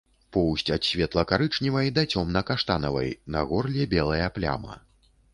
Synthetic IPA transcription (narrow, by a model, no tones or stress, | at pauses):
pɔwsʲtʲt͡sʲɐt̪sʲvʲɛt̪lˠɐkaɾɨt͡ʂnʲivɐjd̪ɐt͡sʲɔmnɐkaʂt̪anɐvɐ̰jnɐ̰ɣɔrlʲɛbʲɛlˠɐjɐplʲa̰mɐ̰